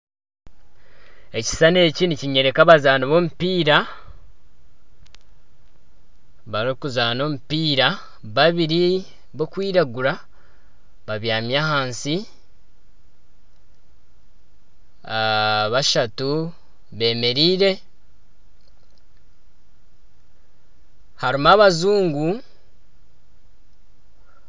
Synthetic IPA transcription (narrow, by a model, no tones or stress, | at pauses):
e̞ci̥sane̞ːciniciɲe̞ɾe̞kaβazaːnoβo̞mupiːɾa | βaɾokuzaːno̞mupiːɾa | βaβiɾi | βo̞kwiːɾaɡuɾa | βaβjaːmjahaːnsi | βaʃatu | βe̞ːme̞ɾiːɾe̞ | haɾimaβazuːŋɡu